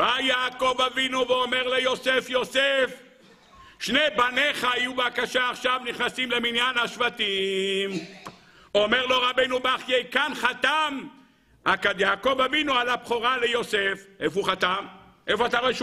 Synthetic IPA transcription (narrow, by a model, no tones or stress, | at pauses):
bajaːko̞vavinuveome̞ʁlejo̞se̞fjo̞sef | ʃnebane̞χaajubakaʃaːχʃavniχnasimle̞minjanhaʃvat̪im | o̞meʁlo̞ʁabejnubaχjejkanχat̪am | akad̪jaːko̞vavinualabχoʁalejo̞sefʔefuχat̪am | ʔefoat̪aʁo̞eʃ